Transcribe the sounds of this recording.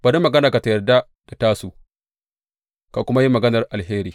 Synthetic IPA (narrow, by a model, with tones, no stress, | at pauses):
ba˨ɾi˦mːɐ˨ɡɐ˦naː˨ka˨ta˨jɐ˨rda˦ | d̥a˨taː˦su˨ | ka˨kʷʊ˦ma˦ji˦mɐ˨ɡɐ˦nɐ˨rʔa˨lɦeː˦ɾiː˨